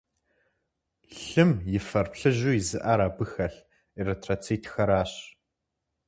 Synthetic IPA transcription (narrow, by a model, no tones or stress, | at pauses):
ɬɨmjɪfɐrpɬɨʑujɪzɨʔaɾaːbɨxɐɬ | iretʰrat͡sʰiːtʰxɐɾaːɕ